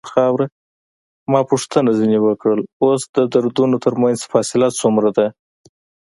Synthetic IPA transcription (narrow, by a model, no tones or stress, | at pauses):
xɑwɾa | mɑpuʂt̪ənazinewəkɽəlosd̪əd̪aɾd̪unot̪əɾmanzfɑsɪlɑt̪t͡sumɾad̪a